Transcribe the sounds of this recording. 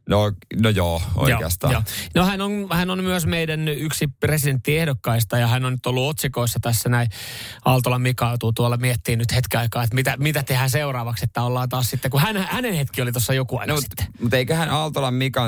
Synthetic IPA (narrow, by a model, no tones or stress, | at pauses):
nonojoːo̰joḛɑ̰st̪ɑ̰joːnohænonhænonmyøsmeidænyksipresident̪ːiehdokːɑist̪ɑjɑhænonnyt̪olːuot̪sikoisːɑt̪æsːænæiɑlt̪olɑmikɑut̪uːt̪uɑlːɑmiɛt̪ːiːnnyt̪het̪kiɑikɑːet̪mit̪æmit̪æt̪ehæseurɑːʋɑkset̪ːæolːɑːnt̪ɑːssit̪ːekuhænæhænenhet̪kiolit̪osːɑjokuɑ̰ini̥t̪ːe̥mut̪eikøhænɑlt̪olɑmmikɑ